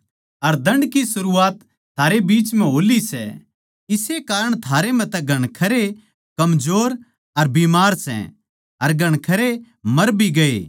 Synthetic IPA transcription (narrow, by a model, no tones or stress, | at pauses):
ɐɾd̪ɐ̃ɳɖkisʊɾuːaːt̪ʰː | aːɾebiːt͡ʃmɛ̃ɦoːlisɛ̰ | ɪsekaːɾəɽ̃t̪ʰaːɾem̤ɛ̃t̪ɛ̃ɡʱɐɽ̃kʰɐɾe | kɐmd͡ʒoːɾ | ɐɾbiːmaːɾsɛ̰̃ | ɐɾɡʱɐɽ̃kʰɐɾe | mɐɾbiɡɐḛː